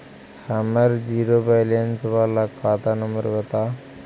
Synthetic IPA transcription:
haməɾd͡ʑiɾobajlensʋalakat̪anəmbəɾʋət̪a

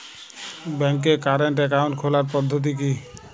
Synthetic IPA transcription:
bɛŋk̬ekaɾeɳʈ̬ɛk̬awnʈkʰolaɾpɔd̪ʱːot̪̬ik̬i

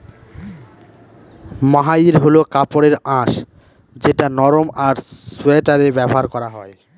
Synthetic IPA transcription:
maɦaiɾɦolokapoɾeɾãʃ | d͡ʑeʈanɔɾomaɾsueʈaɾebɛboɦaɾkɔɾaɦɔe

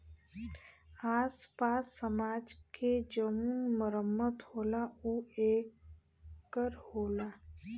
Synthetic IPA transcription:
aːspaːsːəmaːd͡ʒkʰed͡ʒəmunməɾəmːət̪hoːlaueːkː | əɾhoːlaː

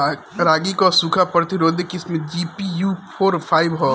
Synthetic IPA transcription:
ɾaːɡikosuːkʰapɐɾt̪iɾoːd̪ekɪsmẽd͡ʒiːpijuːpʰoːɾpʰaːɪʋɦo

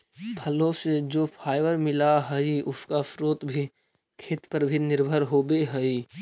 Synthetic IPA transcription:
bʱɐlõsed͡ʒoːpʰaːɪʋəɾmɪlaɦəiʊskasɾoːt̪bʱi | kʰeːt̪pəɾbʱinɪɾbʱəɾɦoːbeɦəi

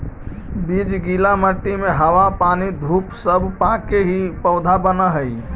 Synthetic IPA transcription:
bid͡ʒɡilaməʈːimeɦəwapanid̪ʱupsəbpakeɦipəʊd̪ʱabənəɦəj

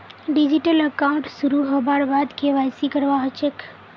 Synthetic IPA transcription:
ɖid͡ʒiʈələkaʊɳʈsuɾuɦobaɾbad̪kʰeʋajsikəɾʋaɦot͡ʃek

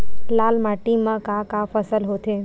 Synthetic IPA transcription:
laːlmaːʈimãkaːkaːfʰəsəlɦoːt̪ʰe

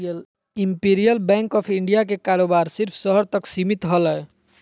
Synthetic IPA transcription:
l | impiɾijəlbɛ̃ːŋkɔːpʰɪɳɖijakekaːɾoːbaːɾsɪɾpʰsəɦəɾt̪əksimit̪ɦələ

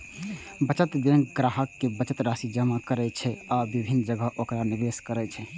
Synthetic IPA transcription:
bət͡ʃət̪d̪enɡɾaɦəkːebət͡ʃət̪ɾasid͡ʒəmakəɾɛt͡ʃʰɛabibʱinːd͡ʒəɡəʔokɾaniɾeskəɾɛt͡ʃʰɛ

